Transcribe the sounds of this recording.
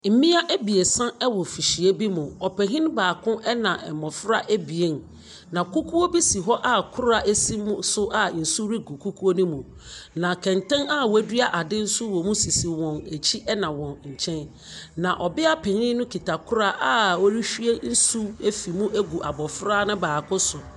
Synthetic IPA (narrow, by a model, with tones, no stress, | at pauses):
m̩˨mĩ˦a˦ʔæ˦bi˨e˨sã˦ɛ˦wɔ˨fi˨ɕi˨e˦bi˦mʊ̃˨ɔ˨pɛ˨ɦĩ˦n˦baː˨kʰʊ̃˦ʔɛ˦nã˨ʔɛ˨mɔ˨fɾa˦ʔe˦bi˨e˦n˨ | nã˨ku˦kʰu˦o˦bi˦si˨ɦɔ˦ʔa˦kʰʊ˦ɾa˨ʔe˦si˦m˦sʊ˦ʔa˨n̩˨su˦ɾi˦ɡu˨kʰu˦kʰu˦o˦nĩ˦mũ˨ | nã˨kʰɛ̃˨ntɛ̃˦na˦wæ˦dɥa˦ʔa˨dɪ̃˦n̩˦sʊ˦wɔ̃˨mũ˦si˨si˨wɔ̃˨ne˨t͡ɕʰi˦ʔɛ˦nã˨wɔ̃˨nɲ̩˨t͡ɕʰɛ̃˦n | nã˨ʔɔ˨bɪ˦a˦pʰɛ˨hĩ˦nʊ̃˦kʰi˨ta˨kʰʊ˦ɾa˦ʔa˨wɔ˦ɾi˦ɕᶣɥe˦n̩˦su˦e˦fi˨mũ˦ʔæ˦ɡu˨ʔa˨bɔ˨fɾa˦nʊ̃˦baː˨kʰʊ̃˦sʊ˨